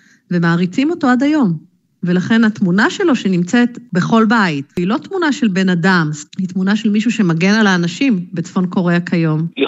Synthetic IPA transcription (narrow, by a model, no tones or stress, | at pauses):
ve̞maːʁit͡simo̞to̞ad̪ajo̞m | ve̞laχe̞natmunaʃe̞lo̞ʃe̞nimt͡set̪beχo̞lbaitilo̞t̪munaʃe̞lbe̞nadamhit̪munaʃe̞lmiʃuʃe̞maɡe̞nalaːnaʃimbe̞t͡sfo̞nko̞ʁeakʰajo̞m